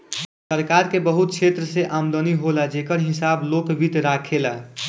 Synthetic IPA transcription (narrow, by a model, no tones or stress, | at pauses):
səɾkaɾkebəɦut̪̚kt͡ʃʰet̪ɾəseʔamd̪əniɦolad͡ʒekəɾɦɪsaːbloːkbit̪ɾakʰela